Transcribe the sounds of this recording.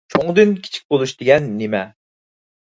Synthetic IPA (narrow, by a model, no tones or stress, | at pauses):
t͡ʃʰoŋd̪ɨnkʲʰi̥t͡ʃʰi̥k̚ʲbolˠuʃd̪̥eɡʲɛnːemɛ